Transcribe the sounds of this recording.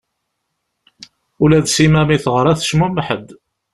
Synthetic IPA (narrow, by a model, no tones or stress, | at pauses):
ulæðsimæmiθʁəɾˤæθə̥ʃmumħəd̪